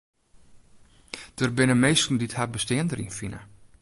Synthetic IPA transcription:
d̥ərbɪnəmeːstn̩dithabəstɪəndərinfinə̰

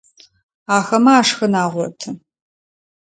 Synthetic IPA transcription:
aːxɐmaaːʂxɐnaːʁʷɔ̰tʰɨ

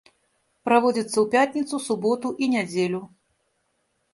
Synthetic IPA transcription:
pɾavɔd͡zʲit̪sːɐwpʲat̪ʲnʲit̪susubɔt̪uʔinʲad͡zʲelʲu

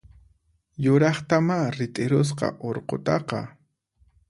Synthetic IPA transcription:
jʊɾɑχt̪amaɾɪt̪ʼɪɾʊs̬qɑ̰ʔoɾqo̰t̪ɑqɑ̰

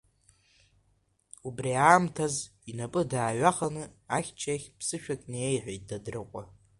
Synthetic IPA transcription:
ubriaːmtʰazinapʼɨdaːɥaχanɨaχʲt͡ʃʰaχʲpʰsɨʃᶣakʼnejħʷᶣejt̚ʼdadrɨqʷʼa

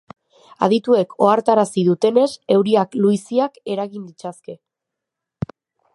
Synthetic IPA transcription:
a̰ðit̪ue̞kʰo̞aɾt̪aɾasiðut̪e̞ne̞se̞wɾiakluisiake̞ɾaɣind̪it͡saske̞

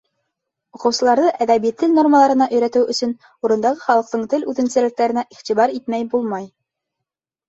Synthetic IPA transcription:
ŏqɤ̆wsɤ̆lˠɑɾðɤʔæðæβijt̪ːɘlno̞rməlˠɑɾɤ̆nɑʔɵ̆jɾæt̪ɘwɵ̆sɵn | uɾɤ̆nd̪ɑʁɤχɑlˠɤ̆q̚t̪ɤɴt̪ɘlʉðɘ̆nsɘ̆lɘk̚t̪æɾɘ̆næʔiχt̪iβɑɾit̪mæjbulˠmɑj

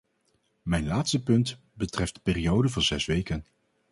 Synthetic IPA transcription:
mɛjnlaːtstəpɵnt | bətrɛftdə̥pɪːrijowdəvɑnzɛsʋejkən

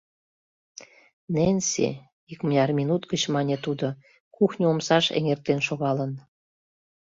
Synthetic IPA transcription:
nensḛ | ikmənʲɑrmʲinut̪ɡət͡ɕmɑnʲet̪ud̪o | kuxnʲəomsɑʃḛŋert̪enʃoɣɑlən

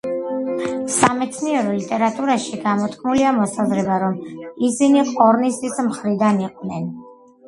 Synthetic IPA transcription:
samɛt̪sʰniɛɾɔlit̪ʼɛɾat̪ʼuɾaʃiɡamɔt̪ʼkʼʰmuliamɔsazɾɛbaɾɔmisiniqʼɔɾnist̪ʼismχɾid̪aniqʼvnɛn

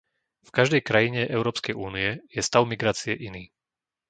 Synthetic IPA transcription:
fkaʒd̪ɛjkɾajiɲɛʔɛʊɾɔːpskɛjuːniɛjɛst̪aʊmiɡɾaːt͡siɛʔiniː

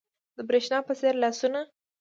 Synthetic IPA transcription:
d̪əbɾeʃnɑpəseɾlasuna

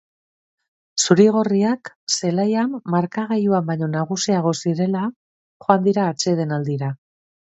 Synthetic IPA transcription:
suɾiɣ̞o̞riak | se̞lajamːaɾkaɣajuambaɲo̞naɣusiaɣ̞o̞siɾe̞la | χo̞and̪iɾaːt͡ʃe̞ð̞e̞nald̪iɾa

